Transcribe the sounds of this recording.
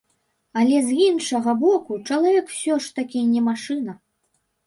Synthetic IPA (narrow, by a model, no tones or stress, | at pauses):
alʲɛzinʂɐɣɐbɔkut͡ʂɐlˠavʲɛkw̥sʲɔʂt̪akʲinʲɛmaʂɨnɐ